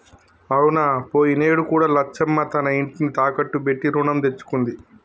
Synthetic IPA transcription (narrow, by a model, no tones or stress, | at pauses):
ɐwunaːpoːjineːɽukuːɽaːlɐt͡ʃʰːɐmːɐt̪ɐnɐiɳʈinit̪aːkɐʈːubeʈːiɾuːɳɐmt̪e̞t͡ʃːu̥kund̪i